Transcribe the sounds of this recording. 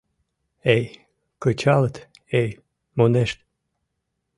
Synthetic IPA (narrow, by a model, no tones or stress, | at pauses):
ej | kət͡ɕɑlˠət̪ | ej | moneʃt̪